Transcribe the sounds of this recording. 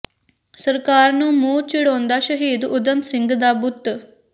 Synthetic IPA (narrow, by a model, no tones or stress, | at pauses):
səɾkaːɾnũːmũːt͡ʃɪɽõːnd̪aːʃəɦiːd̪ʊd̪əmsɪ̃ŋɡd̪aːbʊt̪ː